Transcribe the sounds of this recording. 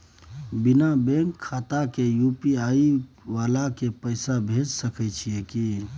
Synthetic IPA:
binabeŋkʰːat̪akejupiaiʋalakepəɪsabʱed͡ʒsəkɛt͡ʃʰijeki

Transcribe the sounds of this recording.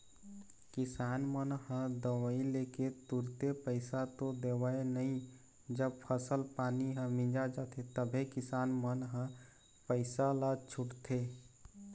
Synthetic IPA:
kɪsaːnmənhə̃d̪əwəileket̪uɾt̪epəɪsat̪od̪ewaenəɦĩ | d͡ʒəb̚pʰəsəlpaːniɦə̃mĩd͡ʒad͡ʒat̪ʰet̪əbʱekɪsaːnmənɦə̃ | pəɪsalat͡ʃʰʊʈt̪ʰe

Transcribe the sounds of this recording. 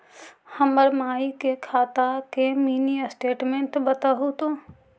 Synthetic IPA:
hɐməɾmaːikekʰaːt̪akemiːnisʈeːʈmẽɳʈbət̪aɦut̪õː

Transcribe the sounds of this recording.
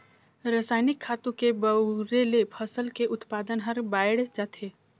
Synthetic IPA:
ɾasaːɪnɪkʰːaːt̪ũkebəɾelepʰəsəlkeʔʊt̪paːd̪ənɦəɾbaːɪɽd͡ʒaːt̪ʰeː

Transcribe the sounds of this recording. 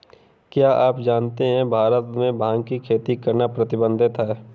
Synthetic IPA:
kjaːʔaːpd͡ʒaːnt̪eɦɛ̃bʱaːɾət̪mẽbʱãːŋɡkikʰeːt̪ikɐɾnapɾɐt̪ɪbə̃nd̪ʱɪt̪ɛː

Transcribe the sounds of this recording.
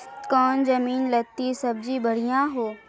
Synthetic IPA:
kɔːnzɐmiːnlɐt̪isɐb̚d͡ʑibʱɐɽ̤ijãɦoː

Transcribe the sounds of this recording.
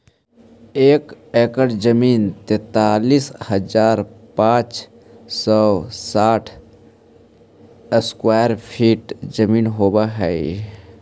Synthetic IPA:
eːk | eːkəɖd͡ʒəmiːnt̪ɛ̃ːt̪aːliːshəd͡ʒaːɾpãːt͡ʃ | sɔsaːʈʰ | əskwaːjəɾpʰiːʈd͡ʒəmiːnɦoːbaɦɛ

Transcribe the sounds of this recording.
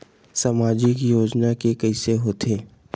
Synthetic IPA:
samaːd͡ʒɪkjoːd͡ʒnakekəɪseɦoːt̪eː

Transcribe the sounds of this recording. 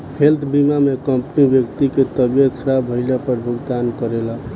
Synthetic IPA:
hʰelt̪ʰbimamekəmpnibjəkt̪iket̪əbjəkʰɾabʱəɪlapəɾbʱuɡt̪ankəɾela

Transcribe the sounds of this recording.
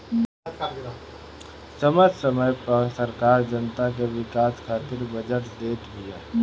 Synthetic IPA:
səməd͡ʒsəməjpsəɾkaːɾd͡ʒənt̪ak̬eʋɪkaːskʰaːt̪ɪɾbəd͡ʒəʈd̪eːt̪ʰbijaː

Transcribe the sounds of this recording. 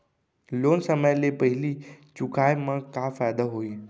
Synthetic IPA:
loːnsəməjlepəɦɪlit͡ʃʊkʰaːjmãkafaːjd̪aɦoːiː

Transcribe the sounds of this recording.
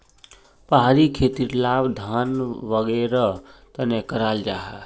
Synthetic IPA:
pəɦaɾikʰeːt̪iɾlaːbd̪ʱaːnʋəɡɛɾat̪ənekəɾald͡ʒaːɦɛ

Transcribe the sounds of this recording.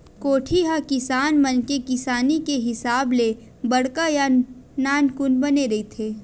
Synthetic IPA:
koːʈʰiɦakɪsaːnmɐnkekɪsaːnikeɦɪsaːble | bɐɽkajanaːnkʊnbɐneɾɐit̪ʰeː

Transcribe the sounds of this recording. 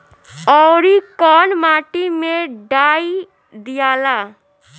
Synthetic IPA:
ɔɾikɔnmaʈimeɖai | d̪ijaːla

